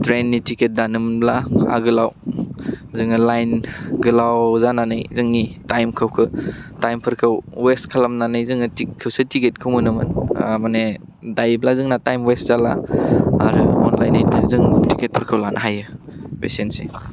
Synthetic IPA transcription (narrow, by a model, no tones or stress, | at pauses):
tɾenːitiket̚danɯmblaa̰ɡɯlaw | zɯŋɯlajnɡɯlawzananɯjzɯŋnitajmkʰɯwkʰɯtajmpʰɯɾkʰɯwwestkʰalamnanɯjzɯŋɯtikʰːɯwsɯtiket̚kʰɯwmɯnɯmɯ̰nmane | dajblazɯŋnatajmweszala̰a̰ɾɯɔ̰nlajnːizɯŋtiket̚pʰɯɾkʰɯwlanʔaɦajɯpesensḭ